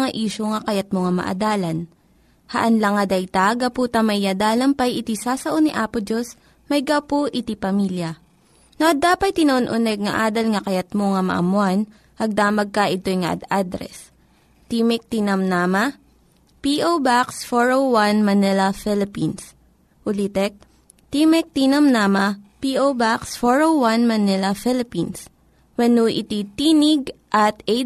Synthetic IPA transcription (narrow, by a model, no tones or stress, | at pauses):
ŋaʔiːʃoŋɐkɐjɐt̪̚moŋamɐ̰ʔɐ̰d̪aːlɐn | hɐʔɐnlɐŋɐd̪ɐjt̪aɡɐpuːt̪ɐmɐjjɐd̪aːlɐmpɐjʔɪt̪isasɐʔoniʔaːpʊd͡ʒos | mɐjɡapoʔɪt̪ipɐmiljɐ | nɐʔɐd̪aːpɐj̚t̪ɪnɐʔonʔʊnɛɡ̚ŋɐʔaːd̪ɐlŋɐkɐjɐt̪̚moŋamɐ̰ʔɐ̰mʊan | ʔɐɡ̚d̪aːmɐɡ̚kɐʔɪt̪o̞jŋɐʔɐ̰d̪ad̪ɾɛ̰s | t̪iːmɛk̚t̪iːnɐmnaːmɐ | piʔowbaksfoɹowwanmɐnɛlɐfɛlɪpins | ʔʊlit̪ɛk̚ | t̪iːmɛk̚t̪inɐmnaːmɐpiʔowbaksfoɹowwanmɐnɛlɐfɪlɪpins | wɐnuʔɪ̰t̪it̪iːnɪɡʔɐt̪e